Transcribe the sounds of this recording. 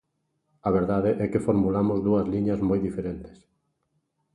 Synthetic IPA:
ɐβeɾðaðeʔɛkefoɾmulamʊzðuɐzliɲɐzmojðifeɾent̪ɪ̥s

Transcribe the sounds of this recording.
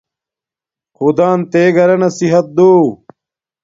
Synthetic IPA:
xud̪aːnt̪eːɡɐɾɐnɐsiɦɐt̪̚d̪oː

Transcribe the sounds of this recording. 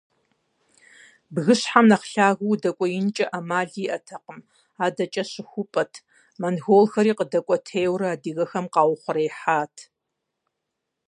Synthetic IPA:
bɣɨɕħamnɐχɬaːɣuwdɐkʷʼɔjɪnt͡ʃʼɐʔɐmaːɮiːʔɐtʰɐqəm | aːdɐt͡ʃʼɐɕɪxʷʊpʼɐtʰ | mɐnɣoːlxɐɾiːqədɐkʷʼɔtʰeːwrɐaːdiːɣɐxɐmqɑːwʊχʷʊɾɐjħaːtʰ

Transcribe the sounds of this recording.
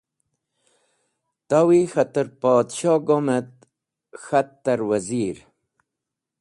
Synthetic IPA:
t̪awixat̪əɾpaːd̪ɕɑːɡomet̪ | xat̪ːɐɾwaziɾ

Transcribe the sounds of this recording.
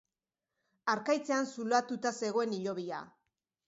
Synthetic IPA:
aɾkajt͡se̞ansulat̪ut̪ase̞ɣ̞o̞e̞niʎo̞β̞ia̰

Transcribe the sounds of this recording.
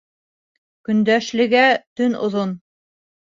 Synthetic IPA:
kɵ̆nd̪æʃlɘ̆ɡæt̪ɵnŏ̰ðon

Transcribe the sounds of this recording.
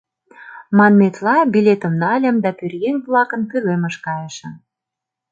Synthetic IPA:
mɑnːet̪lɑbilʲet̪ə̆mnɑlʲə̆md̪ɑpyrɣenvlɑkə̆nkylemə̆ʃkɑjəʃə̆m

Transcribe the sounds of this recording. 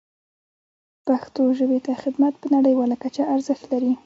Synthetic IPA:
paxt̪oʒəbet̪axɪd̪mat̪̚pənaɽəjwɑlakat͡ʃaːɾzəxt̪laɾi

